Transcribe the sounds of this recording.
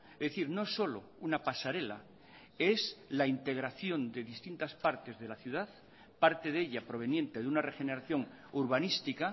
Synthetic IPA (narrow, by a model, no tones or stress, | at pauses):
ezðeθiɾnoso̞lo̞̰unapasaɾe̞la̰ | e̞slaint̪e̞ɣ̞ɾaθjo̞nd̪e̞ðist̪int̪aspaɾt̪e̞zðe̞laθjuðað | paɾt̪e̞ðe̞ʎapɾo̞β̞e̞njẽ̞nt̪e̞ðeunare̞xe̞ne̞ɾaθjo̞ŋ | uɾβanist̪ika